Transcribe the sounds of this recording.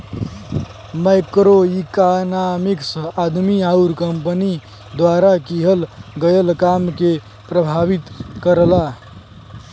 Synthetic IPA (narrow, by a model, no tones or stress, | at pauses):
majkɾoikanamiksəad̪miauɾkəmpəni | d̪waɾakiɦəlɡəjəlkamke | pɾəbʱaʋit̪kəɾla